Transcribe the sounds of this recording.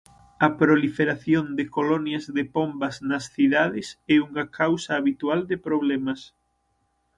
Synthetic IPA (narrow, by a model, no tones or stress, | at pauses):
ɐpɾolifeɾaθjond̪ɪkolɔnjazðepombɐznɐsθiðaðɪsɛuŋakʰawsaːβit̪uald̪epɾoβ̞lɛmɐs